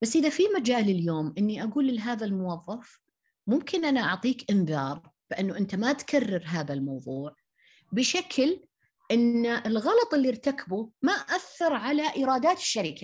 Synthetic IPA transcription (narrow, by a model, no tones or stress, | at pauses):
basːʔɪðafimad͡ʒaːlɪljoːmʔɪnːiʔaɡuːlɪlːɦaːðalmʊwɑðˤːɑf | mʊmkɪnʔanaʔɑʕt̪ˤiːkʔɪnðɑːɾˤb̥ɪʔanːuʔɪnt̪amat̪kʰarːɪɾɦaːðalmɑwðˤuːʕ | bɪʃakʰl | ʔɪnːaʔɪlɣɑlɑt̪ˤɪlːiɾt̪akʰabumaʔʔaθːɑɾˤʕalaʔɪɾˤɑːd̪aːt̪ɪ̥ʃːaɾiːkʰḁ